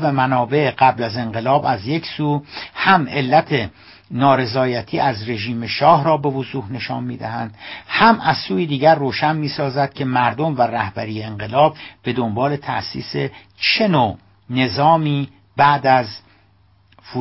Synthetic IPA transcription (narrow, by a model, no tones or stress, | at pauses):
væmænɒːbe̞ʔɢæblæze̞ŋɢe̞lɒːbæzje̞cʰsuːhæmʔe̞lːæt̪ʰe | nɒːɾe̞zɒːjæt̪ʰiːʔæzre̞ʒiːmeʃɒːɦɾɒːbe̞vozuːhne̞ʃɒ̰ːnmḭːd̪æ̰hænd̪̥hæmæzsuːjid̪iːɟæɾːoːʃænmiːsɒːzæd̪̥̚cʰe̞mæɾd̪o̞mværæhbæɾiːjeːɴɢe̞lɒːb̚be̞d̪ombɒːle̞t̪ʰæ̰ʔsḭːse | t͡ʃʰe̞noː | ne̞zɒːmiː | bæʔd̪æz | fu